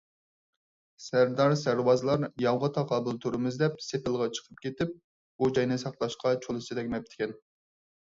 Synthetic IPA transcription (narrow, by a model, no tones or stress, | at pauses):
sæɾd̪ɑɾsæɾwɑzlˠɑɾjɑwʁɑt̪ʰɑqʰɑːbɨlˠt̪ʰuɾɨmɨzd̪ɛp̚sepɪlˠʁɑt͡ʃʰə̥qʰəp̚kʲet̪ɪp̚ | b̥ud͡ʒɑjnɨsɑqlˠɑʃqʰɑt͡ʃʰolˠɨsɨd̪ɛkʲmɛp̚t̪ʰɪ̥kʲɛn